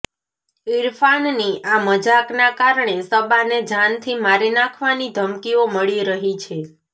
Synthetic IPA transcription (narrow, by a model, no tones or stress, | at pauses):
iɾfanniaməd͡ʒaknakaɾɳesəbaned͡ʒant̪ʰimaɾinakʰʋanid̪ʱəmkioməɭiɾəɦit͡ʃʰe